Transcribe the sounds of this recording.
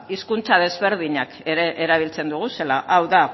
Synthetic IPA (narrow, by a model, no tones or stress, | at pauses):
iskunt͡sað̞e̞zβe̞ɾð̞iɲake̞ɾe̞ʔeɾaβ̞ilt͡se̞nd̪uɣ̞use̞laʔawða